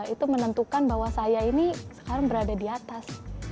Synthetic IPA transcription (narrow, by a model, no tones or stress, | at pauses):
it̪umənənt̪ukanbaɦwasajainisə̥kaɾaŋbəɾadadiat̪as